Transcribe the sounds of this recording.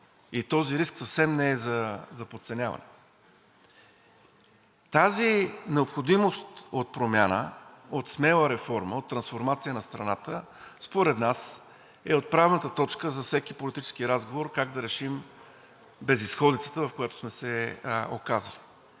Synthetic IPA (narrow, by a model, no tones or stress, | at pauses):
it̪ɔziɾisksɐfsɛmnɛɛzɐzɐpot̪sɛnʲjavɐ̰nɛ | t̪azinɛopxod̪imost̪ot̪̚pɾomʲjanə̰ot̪smɛlˠəɾɛfɔɾməot̪ːɾɐnsfoɾmat̪sijənɐst̪ɾɐnat̪ə | spoɾɛd̪nas | ɛot̪̚pɾavnət̪ət̪ɔt͡ʃkəzɐfsɛkipolit̪it͡ʃɛ̥skiɾazɡovoɾkaɡd̪ɐɾɛʃim | bɛzisxɔd̪it̪sə̥t̪əvɐfkojat̪o̥smɛsɛo̰kazə̰li